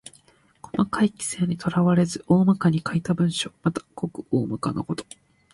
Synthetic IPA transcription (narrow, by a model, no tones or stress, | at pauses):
ko̞makaikʲi̥se̞ːɲ̟it̪ʰo̞ɾaβaɾe̞zɨʔo̞ːmakaɲ̟ikait̪abɯ̟̃ɰ̃ɕo̞mat̪ḁko̞kɯ̟̥oːmakano̰ko̞t̪o̞̥